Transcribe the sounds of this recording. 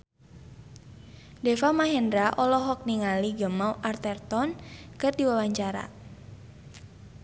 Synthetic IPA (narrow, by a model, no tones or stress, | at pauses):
dɛfamaɦɛndɾaʔɔlɔɦɔk̚niŋaliɡəmawʔart̪ɛrt̪ɔnkərdiwawaɲt͡ʃaɾa̰